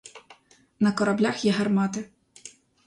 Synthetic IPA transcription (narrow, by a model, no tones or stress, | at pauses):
nɐkɔɾɐblʲaxjɛɦɐrmɑt̪ɪ